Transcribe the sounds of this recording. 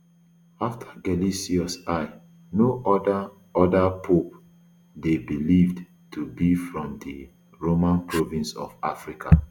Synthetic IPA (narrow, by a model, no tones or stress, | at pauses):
aftʰḁɡɛlisiɔsaɪ | noʔɔda | ɔdapʰop | debilivd | tʰubifɹɔ̃mdi | ɹomãnpʰɹɔvĩnsɔ̰vafɹikʰa̰